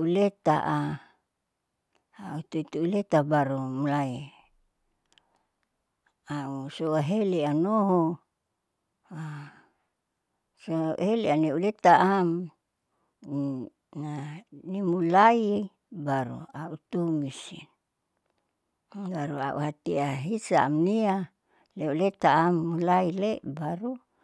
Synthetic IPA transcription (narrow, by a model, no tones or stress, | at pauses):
ulet̪a̰ʔa | aut̪uit̪uːlet̪abaɾomulai | ausoaɦeleanoɦo | a | soa̰heleaneulet̪aʔam | nanimulai | baɾṵaut̪umisḭn | ɡaɾua̰ʔṵhat̪iaɦisaːmnia | leulet̪aːmːulailebaɾu